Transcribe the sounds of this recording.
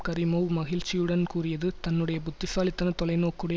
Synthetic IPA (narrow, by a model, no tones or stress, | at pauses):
kɐɾɪmoʋmɐɣɪɻt͡ʃɪjɯɽɐnkuːrɪjɐðɯt̪ɐnːɯɽɐjɐpʊt̪ːɪsaːlɪt̪ːɐnɐt̪ɔlɐɪnoːkːɯɽɐ